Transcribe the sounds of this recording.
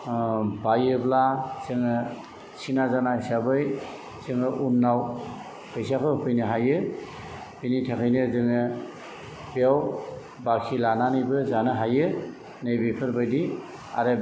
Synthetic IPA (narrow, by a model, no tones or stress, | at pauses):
bajɯblazɯŋɯ | sinazanaɯjsabɯj | z̥ɯŋɯʔunːaw | kʰɯjs̬akʰɯhujnɯɦajɯ | pɯnitʰakʰɯjnɯzɯŋɯ | beaw | bakʰilananɯjbɯzanɯɦajɯ | nɯjbipʰɯɾbajdi | a̰ɾɯ